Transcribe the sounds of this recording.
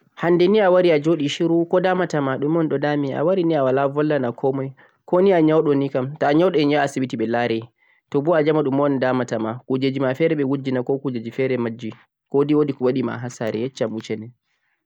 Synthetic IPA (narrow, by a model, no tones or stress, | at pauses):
handɛniawaɾiad͡ʒoɗiʃiɾukɔdamatamaɗumɔnɗɔdamia̰waɾiniawalavɔlːanakʰɔmɔj | kɔniaɲawɗɔnikamtaːɲawɗɔɛɲaasibitiɓɛlaɾɛ | tɔbɔad͡ʒamaɗumɔndamatamakud͡ʒed͡ʒimafɛɾɛɓɛwud͡ʒːinakɔkud͡ʒed͡ʒifɛɾɛmad͡ʒːi | kodiwodikɔwaɗima̰ɦasaɾɛjɛt͡ʃːamut͡ʃɛnɛ